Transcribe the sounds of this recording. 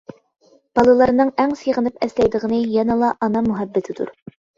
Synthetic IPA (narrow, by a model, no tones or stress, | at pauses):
b̥ɑlˠɨlˠɑɾnɨŋæŋseʁənɨpɛslɛjd̪əʁənɨjɛnɨlˠɑʔɑnɑmuɦæbːɪt̪ʰɪd̪ṵɾ